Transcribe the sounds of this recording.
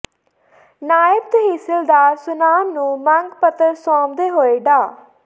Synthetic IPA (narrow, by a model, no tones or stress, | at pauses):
naːɪbt̪ɦisəld̪aːɾsʊnaːmnũːməŋɡpət̪əɾsɔːmd̪eːɦoːeɖaː